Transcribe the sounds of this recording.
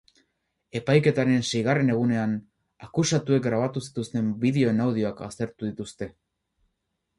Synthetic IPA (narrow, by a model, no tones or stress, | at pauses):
e̞pajke̞t̪aɾe̞nse̞jɣare̞ne̞ɣ̞une̞an | akusat̪ue̞k̚ɡɾaβ̞at̪usi̥t̪ust̪e̞mbiðe̞o̞enawð̞io̞aka̰st̪e̞ɾt̪uðit̪ust̪e̞